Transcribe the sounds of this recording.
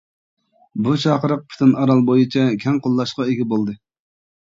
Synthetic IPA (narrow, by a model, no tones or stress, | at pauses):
but͡ʃʰɑqəɾəq̚pʰy̥t̪ʰɪnɑɾɑlˠbojɨt͡ʃʰɛkʲʰɛŋqʰolˠːɑʃqɑeɡʲɛbolˠd̪ɨ